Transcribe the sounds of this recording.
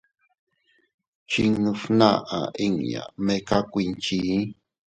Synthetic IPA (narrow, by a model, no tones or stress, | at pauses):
t͡ʃiŋnufnaʔaiŋja̰mekakʷint͡ʃi